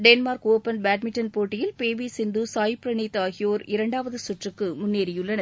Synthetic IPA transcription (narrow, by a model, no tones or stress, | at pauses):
ɖɛnmaːɾkoːpɐnbaːʈ̚mɪʈːɐnpoːʈːɪjɪlpeːʋisɪnd̪usaːjpɾɐnit̪ːaːɣɪjoːɾɪɾɐɳɖaːʋɐðɯsʊʈrɯkːɯmʊnːeːɾɪjɯɭːɐnɐ